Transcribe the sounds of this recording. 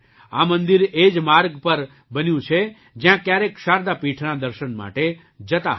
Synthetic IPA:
a̰mənd̪iɾed͡ʒmaɾɡpəɾ | bənjũt͡ʃʰe | d͡ʒjãkjaɾekʃaɾd̪apiʈʰnãd̪əɾʃənma̰ʈe | d͡ʒət̪a̰ɦ

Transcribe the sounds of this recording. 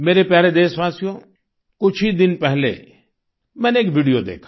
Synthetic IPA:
meːɾepjaːɾed̪eːsʋaːsijõː | kʊt͡ʃʰid̪ɪnpɛɦlḛ | mɛ̃ːneːkʋiːɖijod̪ḛːkʰḁ

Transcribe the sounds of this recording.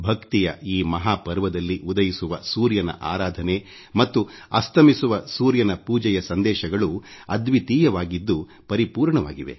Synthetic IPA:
bʱɐkt̪ijɐ̰iːmɐɦaːpɐɾʋɐd̪ɐlːiʔud̪ɐjisuʋɐsuːɾjɐnɐ̰ʔa̰ːɾaːd̪ʱɐne̞ | mɐt̪ːuɐst̪ʰɐmisuʋɐsuːɾjɐnɐpuːd͡ʒɛjɐsɐnd̪ɛːʃɐɡɐɭuɐd̪ʋit̪iːjɐʋaːɡid̪ːu | pɐɾipuːɾɳɐʋa̰ːɡiʋe̞̰

